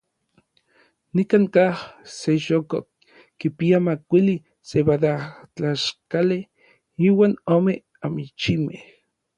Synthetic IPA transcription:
nikaŋkahseʃoko | kipiamakʷili | seβaðat͡ɬaʃkale | iːwaːnoːme | amit͡ʃimeh

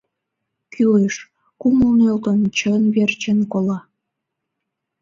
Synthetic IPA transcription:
kʰyleʃ | kuməlnølt̪ənt͡ɕənβert͡ɕənkolɑ

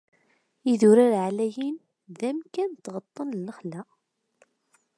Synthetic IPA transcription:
iðuɾaɾʕlæjin | ðæmkænt̪ːʁət̪ˤːənlːəχlæ

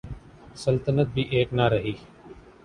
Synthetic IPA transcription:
səlt̪ənət̪̚bʱiːʔeːknaɾəɦiː

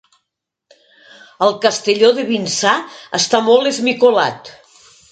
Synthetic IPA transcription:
əlˠkəst̪eʎoðeβinsaəst̪amɔlˠezmikola̰t̪

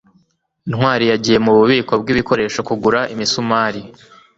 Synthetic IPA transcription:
inŋwaːɾijaɟije̞muβuβiːko̞b̚ɡiβiko̞ɾe̞ːʃo̞kuɡuɾaʔimisumaːɾi

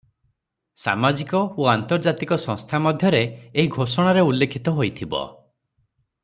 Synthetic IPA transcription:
sa̰mad͡ʒikɔoant̪ɔɾd͡ʒat̪ikɔsɔ̃ŋst̪ʰamɔd̪ʱjɔɾeːɦiɡʱosɔɽ̃aɾeulːekʰit̪ɔɦojt̪ʰibɔ̰

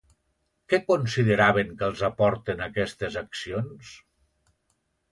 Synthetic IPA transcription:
kɛkonsiðəɾaβ̞eŋkəlˠzapɔɾt̪enakɛst̪ezaksions

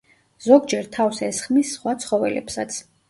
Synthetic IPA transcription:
z̥ɔɡd͡ʒɛɾt̪ʰavsɛsχmisːχwat̪sʰχɔvɛlɛ̰psat̪sʰ

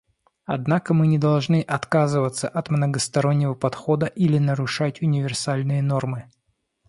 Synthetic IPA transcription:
ɐd̪nakəmɨnʲɪd̪ɐlˠʐnɨʔɐt̪kazɨvət̪səʔɐt̪mnəɡəst̪ɐɾo̞nʲːɪvəpɐt̪xo̞d̪əʔilʲɪnəɾʊʂatʲʊnʲɪvʲɪrsalʲnɨjəno̞rmɨ

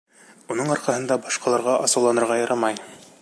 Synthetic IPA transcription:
unɤɴɒɾqɑɦɤ̆nd̪ɑbɒʃqɑlˠɑɾʁɑʔɑsɤ̆wlˠɑnɤ̆ɾʁɑjɤɾʔɑmɑj

